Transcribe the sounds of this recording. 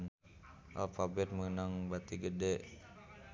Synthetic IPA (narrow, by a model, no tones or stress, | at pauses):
n | ʔa̰lfabɛt̪̚mənaŋbat̪iɡədɛʔ